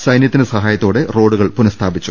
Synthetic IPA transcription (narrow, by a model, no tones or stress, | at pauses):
sɐjnjɐt̪ːinɨsɐɦaːjɐt̪ːoːɽe̞ro̞ːɽuɣɐɭpunɐst̪ʰaːbit͡ɕːu